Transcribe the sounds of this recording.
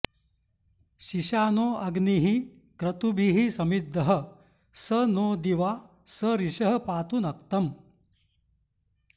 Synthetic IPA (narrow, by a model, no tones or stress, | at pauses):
ɕiɕaːnoːɐɡniɦi | kɾɐt̪ubʱiɦisɐmid̪ʱːɐɦə̆ | sənoːd̪iʋa | səɾiɕɐɦɐpaːt̪unɐk̚t̪ɐm